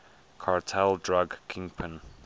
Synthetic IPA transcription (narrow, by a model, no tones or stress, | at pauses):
kʰaɹtʰɛldɹaɡkʰɪ̃ŋpʰə̃n